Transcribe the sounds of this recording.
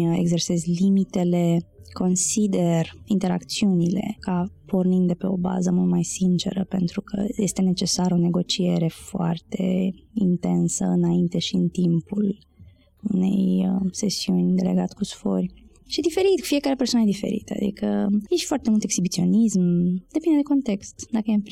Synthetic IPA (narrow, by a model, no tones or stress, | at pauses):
eɡze̞rse̞zlimit̪e̞le̞kʰo̞nsid̪e̞rint̪eɾa̰kt̪siunile̞̰kapʰo̞rnind̪d̪epe̞o̞ba̰zəmult̪majsint͡ʃe̞̰ɾəpe̞nt̪ɾukʰə̰jest̪e̞ne̞t͡ʃe̞saɾone̞ɡo̞t͡ʃie̞ɾe̞foa̰rt̪e̞int̪e̞nsə̰ɨnaint̪e̞ʃiɨnt̪impul | une̞̰jəse̞siunʲd̪e̞le̞ɡat̪kusfo̞̰rʲ | ʃid̪ife̞ɾit̪ku̥fije̞kaɾe̞pesowanəjed̪ife̞̰ɾḭt̪a̰d̪ḭkʰəjeʃfoart̪emult̪e̞ksibit̪sio̞nismd̪̥e̞pind̪ee̞ko̞nt̪e̞kst̪d̪akəje